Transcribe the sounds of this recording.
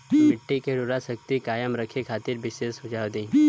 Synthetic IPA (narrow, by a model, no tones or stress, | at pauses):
mɪʈːikeɽuɾasək̚t̪ikaːjəmɾəkʰekʰaːt̪iɾbɪʃesʊd͡ʒaːʋd̪i